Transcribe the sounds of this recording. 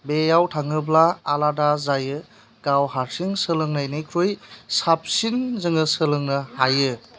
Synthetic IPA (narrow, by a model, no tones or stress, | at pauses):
bejawtʰaŋɯblaːladazajɯ | ɡ̥awɦaɾsiŋsɯlɯŋnajnɯjkʰɾojsap̚sinzɯŋɯsɯlɯŋnɯhajɯ